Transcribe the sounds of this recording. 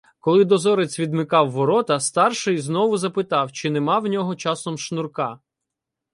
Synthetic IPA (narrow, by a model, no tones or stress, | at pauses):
kɔlˠɪd̪ɔzɔɾet͡sʲʋʲid̪mɪkɑwːɔɾɔt̪ɐst̪ɑrʃɪjznɔʋʊzɐpɪt̪ɑwt͡ʃɪnemɑwnʲɔɦɔt͡ʃɑsɔmʃnʊrkɑ